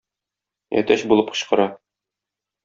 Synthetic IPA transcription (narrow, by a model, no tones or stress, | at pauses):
æ̰t̪æɕbulˠɤp̚qɤ̆ɕqɤ̆ɾɑ